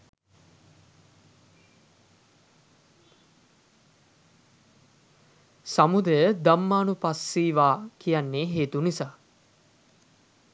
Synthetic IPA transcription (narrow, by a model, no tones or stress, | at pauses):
samud̪əjəd̪amːaːnupasːiːʋaːkijanːeɦeːt̪unisaː